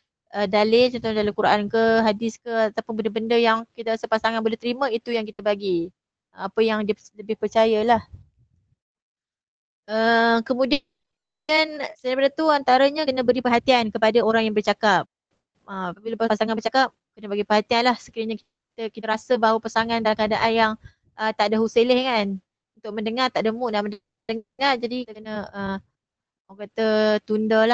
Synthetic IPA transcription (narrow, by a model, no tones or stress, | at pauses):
ədalɪt͡ʃɔnt̪ɔndalakuɾaʔankəɦadɪskəat̪apʊnbəndəbəndəjaŋkit̪aɾasəpasaŋanbolɛht̪əɾimãit̪ujaŋkit̪abaɡi | əapəjaŋdiələbɪhpərt͡ʃajalah | əkəmũdi | ansajbədat̪uant̪aɾaɲakənəbəɾipərɦat̪iankəpadaoɾaŋjaŋbərt͡ʃakap̚ | əmapabilapasaŋanbərt͡ʃakap̚kənəbaɡipərɦat̪ianlahsə̥kiɾəɲak | t̪əkit̪əɾasəbaɦawapəsaŋãndalaŋkadaʔanjaŋ | ʔəmt̪aʔdəɦuselɪhkan | unt̪ʊʔ̚məndəŋart̪aʔdəmuʔdamən | dəŋard͡ʒadikənəəm | ɔkat̪ət̪undɔla